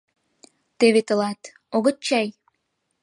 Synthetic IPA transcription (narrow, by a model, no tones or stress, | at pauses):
t̪eβet̪ə̆lɑt̪ | oɣə̆t͡ɕːɑj